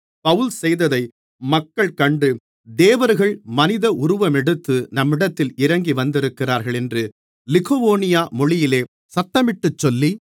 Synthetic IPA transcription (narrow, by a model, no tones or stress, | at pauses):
pɐʋɯlsɛjðɐðɐɪ | mɐkːɐɭkɐɳɖɯ | d̪eːʋɐɾɣɐɭmɐnɪðɐʔʊɾʊʋɐmɛɽɯt̪ːɯnɐmːɪɽɐt̪ːɪlɪɾɐŋɡiʋɐnd̪ɪɾɯkːɪraːɾɣɐɭɛndrɯ | lɪɣoʋoːnɪjaːmɔɭɪjɪleː | sɐt̪ːɐmɪʈːɯt͡ʃːɔlːi